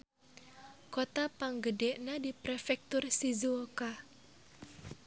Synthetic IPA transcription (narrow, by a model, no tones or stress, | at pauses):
kot̪apaŋɡədɛʔnadipɾɛfɛk̚t̪ʊrsizuoka